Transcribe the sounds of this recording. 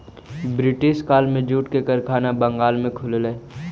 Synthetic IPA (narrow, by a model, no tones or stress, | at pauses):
bɾɪʈɪʃkaːlmẽd͡ʒuːʈkekəɾkʰaːnabə̃ŋɡaːlmẽkʰʊlleː